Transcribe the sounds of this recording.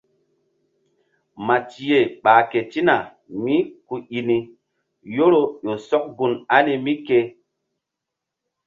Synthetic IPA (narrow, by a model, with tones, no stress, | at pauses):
ma˨ti˨je˨ɓaː˨ke˨ti˦na˨ | mi˦ku˨i˨ni˨ | jo˦ɾo˦jo˨sɔ˦k̚ɡu˨na˦ni˨mi˦ke˦